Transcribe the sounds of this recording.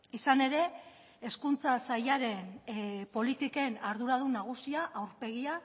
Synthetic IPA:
isane̞ɾe̞ | eskunt͡sasajaɾe̞npo̞lit̪ike̞naɾðuɾað̞unaɣ̞usiaʔawɾpe̞ɣ̞ia

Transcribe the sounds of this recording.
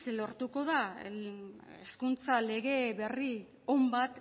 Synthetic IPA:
slo̞ɾt̪uko̞ða | ḛskunt͡sale̞ɣe̞βe̞ri | o̞mbat̪

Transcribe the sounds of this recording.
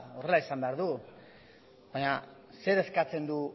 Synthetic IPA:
o̞re̞laisambeaɾðu | βbaɲa | se̞ɾe̞skat͡se̞nd̪u

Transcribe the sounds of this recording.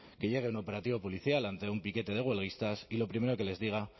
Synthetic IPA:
ke̞ʎe̞ɣ̞e̞uno̞pe̞ɾat̪iβo̞po̞liθjalant̪e̞umpike̞t̪e̞ð̞e̞ɣwe̞lɣ̞ist̪asilo̞pɾime̞ɾo̞ke̞le̞zðiɣ̞a

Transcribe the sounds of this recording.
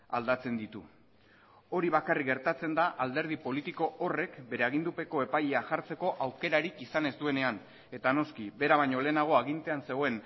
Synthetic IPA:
ald̪at͡se̞nd̪it̪u | o̞ɾiβakariɡe̞ɾt̪at͡se̞nd̪aʔald̪e̞ɾð̞ipo̞lit̪iko̞ʔːre̞kbe̞ɾe̞aɣ̞ind̪upe̞ko̞e̞pajeaʝaɾt͡se̞ko̞ʔawke̞ɾaɾikisane̞zd̪ue̞ne̞an | e̞t̪ano̞skibe̞ɾaβajɲole̞ːnaɣ̞o̞aɣ̞int̪e̞anse̞ɣoe̞n

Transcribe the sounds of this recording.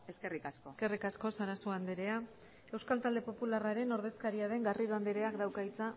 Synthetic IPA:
eskerikaskoske̞rikasko̞saɾasoand̪eɾe̞a | e̞wskalt̪ald̪epo̞pularaɾe̞no̞ɾð̞e̞skaɾiaðe̞ŋɡariðuand̪eɾe̞akd̪awkait͡sa

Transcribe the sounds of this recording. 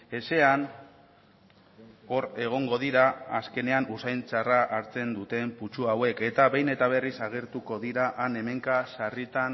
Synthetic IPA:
e̞se̞an | o̞ɾe̞ɣ̞o̞ŋɡo̞ðiɾaaske̞ne̞anusajnt͡saraʔaɾt͡se̞nd̪ut̪e̞mput͡ʃuawe̞ke̞t̪aβejne̞t̪aβ̞e̞risaɣ̞e̞ɾt̪uko̞ðiɾaʔane̞me̞ŋkasarit̪an

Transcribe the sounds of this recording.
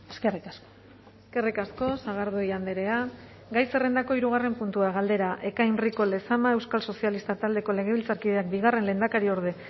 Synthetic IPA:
eskerikasko̥ | eske̞rikasko̞saɣ̞aɾðujand̪eɾe̞a | ɡajse̞re̞nd̪ako̞iɾuɣ̞are̞mpunt̪uaɣ̞ald̪e̞ɾaʔe̞kajnriko̞le̞samaewskalso̞sialist̪at̪ald̪e̞ko̞le̞ɣ̞e̞βilt͡saɾkiðe̞ak̚biɣ̞are̞nle̞ːnd̪akaɾio̞ɾð̞e̞

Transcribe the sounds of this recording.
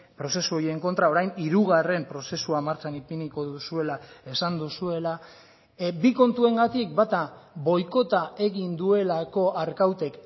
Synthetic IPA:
pɾo̞se̞suo̞jieŋko̞nt̪ɾao̞ɾajniɾuɣ̞are̞mpɾo̞se̞suamaɾt͡sanipiniko̞ðusue̞lae̞sand̪usue̞la | biko̞nt̪ue̞ŋɡat̪ik̚bat̪aβo̞jko̞t̪ae̞ɣind̪ue̞lako̞ʔaɾkawt̪e̞k

